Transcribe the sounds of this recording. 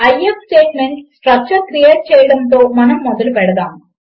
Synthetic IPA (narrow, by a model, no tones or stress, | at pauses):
ɐjepsʈeːʈ̚meɳʈsʈɾɐk̚t͡ʃɐɾkɾijeːʈ̚t͡ʃɛːjɐɽɐnt̪o̞ːmɐnɐmːɔd̪ɐlupɛɽɐd̪aːm